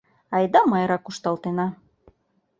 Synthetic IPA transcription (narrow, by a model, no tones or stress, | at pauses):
ɑjd̪ɑmɑjɾɑkuʃt̪ɑlˠt̪enɑ